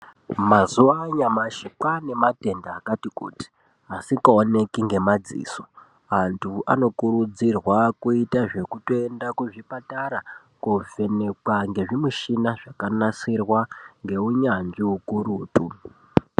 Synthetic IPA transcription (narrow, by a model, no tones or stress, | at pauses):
mazuʋaɲamaʃikwane̞mate̞ndaːkatikṵːti̥ | asikaone̞kiŋɡe̞mad͡zḭːso̥ | antʰuʔa̰no̞kuɾud͡zirwakuitaʐe̞kuto̞e̞ndakuʐipataɾa | kuve̞ne̞kwaŋɡe̞ʐimuʃinaʐakanasirwaŋɡe̞uɲand͡ʒiukuɾuːtu